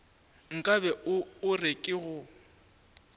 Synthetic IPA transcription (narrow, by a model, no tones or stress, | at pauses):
ŋ̩kʼabɛʔʊʊrekʼɪɣʊ